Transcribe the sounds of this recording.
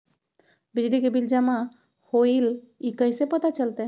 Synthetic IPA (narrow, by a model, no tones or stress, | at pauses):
bid͡ʒlikebild͡ʒamã | hoil | ikəjsepət̪at͡ʃəlt̪e